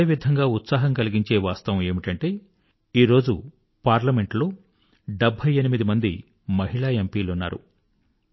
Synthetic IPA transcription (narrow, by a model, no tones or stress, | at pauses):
ʋid̪ʱɐŋɡaːut̪saːɦɐŋkɐliɡiɲt͡ʃe̞ːʋaːst̪ɐʋɐme̞ːmiʈɐɳʈe̞ː | iːɾoːd͡ʒṵ | paːɾlɐme̞ɳʈloː | ɖebʱɐjenimid̪imɐnd̪i | mɐɦiɭaːempiːlunːa̰ːɾṵ